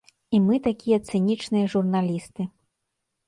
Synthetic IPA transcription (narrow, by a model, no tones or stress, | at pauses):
imɨt̪akʲijɐt̪sɨnʲit͡ʂnɨjɐʐurnalʲist̪ɨ